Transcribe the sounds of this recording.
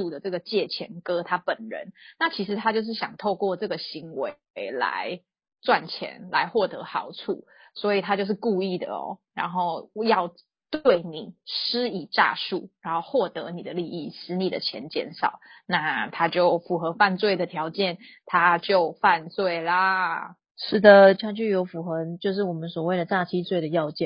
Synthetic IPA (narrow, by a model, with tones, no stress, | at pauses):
u˥˨˩d̪ə˩ʈ͡ʂɤ˥˩ɡə˩t͡ɕjɛ˥˩t͡ɕʰjɛ̰˧˥nkɤ˦˥t̪ʰa˥pə˨˩nɻə̰˧˦nna˥˩t͡ɕʰi˧˥ʂ̬ɻ̩˧˥t̪ʰa˦t͡ɕjo˥˧ʊʂ̬̩˥˩ɕjɑ̰˨˩ŋt̪ʰo˥˧ʊkwɔ˥˧ʈ͡ʂɤ˥˩ɡə˩ɕi˧˥ŋwḛ˧ | ɪla̰˧˥˦ɪ | t͡swa˥˩nt͡ɕʰjɛ̰˧˥˦nla̰˧˥ɪxwɔ˥˩t̪ɤ̰˧˦xɑ˨˩ʊt͡sʰṵ˥˩ | swɔ˧˥i˨˩t̪ʰa˥t͡ɕjo˥˧ʊʂ̬ɻ̩˥˩˧ku˥˧i˥˩d̪ə̰˩ɔ̰˩ɻa̰˧˥nxo˥˩ʊjɑ˥˩˧ʊ | t̪we˥˩ɪni˨˩ʂ̩˥i˨˩ʈ͡ʂa̰˥˧ʂu˥˩ɻa˧˥˦nxo˥˧ʊxwɔ˥˩t̪ɤ˧˥ni˨˩d̪ə˦li˥˧i˥˩ʂɻ̩˧˥ni˨˩d̪ə̰˦t͡ɕʰjɛ̰˧˥˦nt͡ɕjɛ̰˥˧nʂɑ̰˨˩˦ʊna˥˨t̪ʰa˥t͡ɕjo˥˩ʊfu˨˩xɤ˧˥fa˥˧nt͡swe˥˩ɪd̪ə˩t̪ʰjɑ˨˧˥ʊt͡ɕjɛ˥˩nt̪ʰa˦˥t͡ɕjo˥˧ʊfa˥˧nt͡swe˥˩ɪlə˨˩ | ʂɻ̩˥˩d̪ə˨˩t͡ɕʰjɑ˥ŋt͡ɕy˥˩jo˧˥ʊfu˨˩xɤə˧˦t͡ɕjo˥˧ʊʂ̬ɻ̩˥˩wɔ˨˩mə˨˦nswɔ˨˩we˥˩ɪd̪ə˩t͡sa˥˩t͡ɕʰi˥t͡swe˥˩ɪd̪ə˩jɑ˥˧ʊt͡ɕjɛ˥˨n